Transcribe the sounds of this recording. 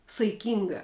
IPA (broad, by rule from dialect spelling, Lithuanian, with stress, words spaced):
sɐɪˈkʲɪŋɡɐ